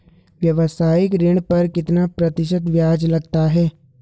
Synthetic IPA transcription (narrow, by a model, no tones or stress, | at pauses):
ʋjɐʋəsaːjɪkɾeɽ̃pɐɾkɪt̪napɾɐt̪ɪʃət̪ʋjaːd͡ʒlɐɡt̪aɦɛː